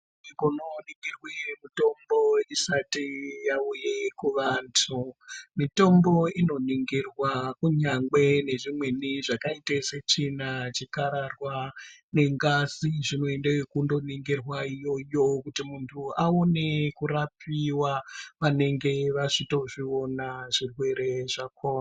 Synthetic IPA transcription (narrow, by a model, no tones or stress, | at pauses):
ikononiŋɡirwemito̞mbo̞isatijaujekuʋantʰumito̞mbo̞ino̞niŋɡirwakuɲaŋɡe̞ne̞ʐimwe̞niʐakaiteset͡ʃinat͡ʃikaɾarwane̞ŋɡaziʐino̞endewekundo̞niŋɡirwaijo̞jo̞kutimuntʰuaone̞kuɾapiwaʋane̞ŋɡe̞ʋaʐito̞ʐio̞naʐirwe̞ɾe̞ʐakoːma